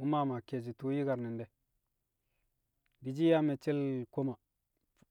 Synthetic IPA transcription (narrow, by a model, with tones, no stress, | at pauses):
u˦ma˦ma˨ke˨d͡ʒi˨tu˦ji˦ɡa˨ɾni˨nde˨ | di˨d͡ʒi˦ja˦me˨t͡ʃe˦lko˦ma˨